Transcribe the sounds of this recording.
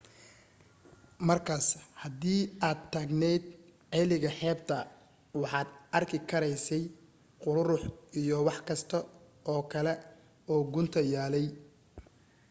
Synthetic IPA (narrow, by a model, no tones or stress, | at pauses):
mɐrkʰaːshɐd̪iːaːd̪̚t̪ʰaːɡnɛjd̪ʕɛːlɪɣɐħɛːb̚t̪ʰɐ | wɑħɑːd̪ɐrkʰɪkʰɐɾɛjsɛj | qʊɾɾʊħijɔwɑħkʰɐst̪ʰɐ | ɔːkʰɐlɛ | ɔːɡʊnt̪ʰɐjaːlɛj